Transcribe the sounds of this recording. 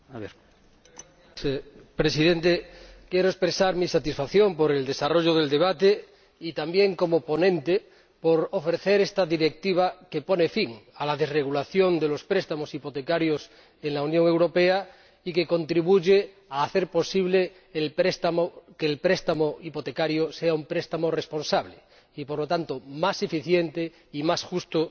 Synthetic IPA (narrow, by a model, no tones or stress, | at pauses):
aβeɾ | pɾesiðẽnt̪ekjeɾoespɾesaɾmisat̪isfaθjõ̞mpo̞ɾe̞ld̪e̞saro̞ʎoð̞e̞ld̪e̞β̞at̪e | it̪ambje̞ŋko̞mopo̞nẽnt̪e | poɾofɾeθeɾest̪aðiɾe̞k̚t̪iβ̞ake̞po̞ne̞fiŋalað̞e̞zreɣulaθjo̞nd̪e̞lo̞spɾest̪amo̞sipo̞t̪e̞kaɾjos | eŋlaunjõŋe̞wɾo̞pea | ikeko̞nt̪ɾiβ̞uʝe | aːθeɾpo̞siβleː | lpɾest̪amokelpɾest̪amoipot̪ekaɾjoseaumpɾest̪amorespo̞nsaβle | ipoɾlot̪ant̪omasefiθjent̪e | imasxust̪o